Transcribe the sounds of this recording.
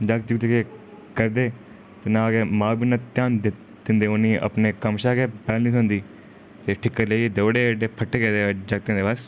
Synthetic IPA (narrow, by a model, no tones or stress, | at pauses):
d͡ʒəkd͡ʒəɡt̪ekeː | kəɾd̪eː | t̪eːnãːɡeːmãːbiːnaːt̪jaːnd̪ | d̪̥ɪ̃nd̪eːʊnĩːə̰pneːkəmʃaːɡeːpɛːlnĩːt̪õnd̪iː | t̪eːʈʰɪkːəɾleid̪oːɽeːɖeːpʰəʈːeːɡɛːd̪eːd͡ʒəɡ̚t̪ẽːd̪eːbəs